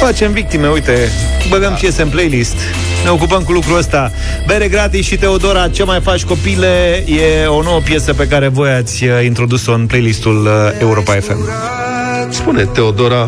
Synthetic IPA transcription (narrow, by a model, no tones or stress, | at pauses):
fat͡ʃe̞mvik̚t̪ime̞ujt̪e̞ | bəvempje̞seɨnplejlist̪ | ne̞o̞k̬upəmkulukɾuəst̪a | be̞ɾeɡɾat̪iʃit̪e̞o̞d̪o̞ɾat͡ʃelmajfat͡ʃʲko̞pile̞jeo̞no̞wəpje̞səpe̞kaɾe̞vo̞jat̪sʲint̪ɾo̞d̪uso̞ɨnplejlist̪ule̞uɾo̞pae̞fe̞̰m | spune̞t̪e̞od̪o̞ɾa